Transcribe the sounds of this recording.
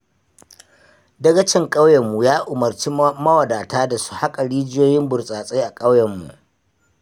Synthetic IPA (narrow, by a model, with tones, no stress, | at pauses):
dɐ˦ɡɐ˦t͡ʃɪ˦˨ŋkʼa˦wjɛ˨mːu˨jaː˦ʔʊ˨mɐ˨rt͡ʃiː˦mɐ˦wɐ˨daː˨taː˦da˨su̥˦ha˦kʼa˨ɽiː˦d͡ʒɪ˦joː˦jɪ˦mbʊ˨rsʼaː˨sʼe˦ʔa˨kʼɐ˦wjɐ˨mːṵ˨ʔ